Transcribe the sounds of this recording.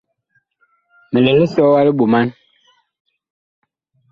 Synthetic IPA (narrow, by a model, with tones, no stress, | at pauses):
mə˨lɛ˨lɛ˦sɔ˦wa˦lə˦ɓu˨ma˦n